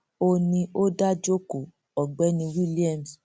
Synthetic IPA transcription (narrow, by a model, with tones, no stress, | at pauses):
o˧nĩ˧o˦da˦d͡ʒo˦ko˨ | ɔ˨ɡ͡bɛ˨˦nĩ˧wi˦li˦ɛ˦˨m˨s